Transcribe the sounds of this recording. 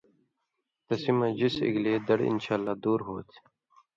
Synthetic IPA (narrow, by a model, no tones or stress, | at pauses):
t̪ɐsimɐd͡ʑisḭɡleːd̪ɐɽɪ̰nɕaːlːaːd̪uːɾɦoːt̪ʰ